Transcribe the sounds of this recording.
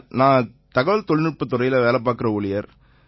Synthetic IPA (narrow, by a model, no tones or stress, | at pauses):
nãː | t̪ɐɣɐʋɐlt̪ɔɭnɪr̚pːɯt̪ːʊrɐjɪlɐʋeːlɐp̬ːaːɾkɪrɐʊɭɪjɐɾ